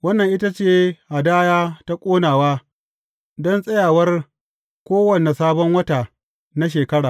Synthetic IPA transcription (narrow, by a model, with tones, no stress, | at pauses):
wɐ˦nːɐ˨ŋʔɪ˦ta˦t͡ʃeː˦˨ʔa˨daː˦jaː˦ta˦kʷʼoː˦naː˨waː˦ | dɔ˦nsʼɐ˦jaː˨wɐ˦r | kʷoː˦wɐ˨ne˨saː˦bɔ˦ŋwɐ˦taː˨ | na˦ʃ̬eː˨kɐ˦ɽaː˨